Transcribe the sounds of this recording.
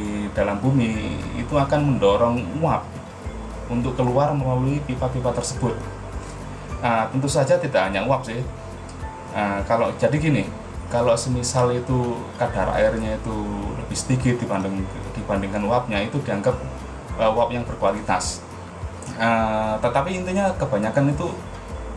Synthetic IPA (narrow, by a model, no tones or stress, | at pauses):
d̥alambumiḭt̪uakanməndoɾɔŋuap̚ | unt̪ʊkːəluarməlaluipipapipat̪ːərsəb̥ʊt̪̚ | ət̪ənt̪̬usad͡ʒat̪idaʔɦaɲaʔuap̚sɪh | əkaloʔd͡ʒadikini | kaloʔsəmisalit̪u | kad̥aɾa̰ɪrɲait̪uləb̥ɪhsə̥d̪iɡɪt̪̚dipandɪŋd̥ipandɪŋkanuap̚ɲait̪udiaŋɡəp̚ | əuap̚jaŋb̥ərkualit̪a̰s | ət̪ət̪apiːnt̪iɲakəb̥aɲakanit̪u